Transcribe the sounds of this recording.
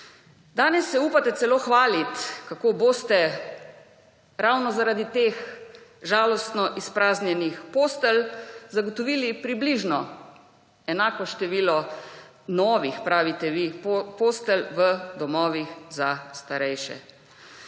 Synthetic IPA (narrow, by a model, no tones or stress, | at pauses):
d̪aːnɛsːɛupat̪ɛt̪sɛloːxʋaːlit̪kakoboːst̪ɛ | ɾawnɔzaɾaːd̪it̪eːxʒaːlɔst̪nɔʔispɾaːznjɛnixpoːst̪ɛlzaɡɔt̪ɔʋiːlipɾibliʒnɔ | ɛnaːkɔʃt̪ɛʋiːlɔ | nɔːʋixpɾaːʋit̪ɛʋipoːst̪ɛlʋəd̪ɔmɔːʋixzast̪aɾɛjʃɛ̰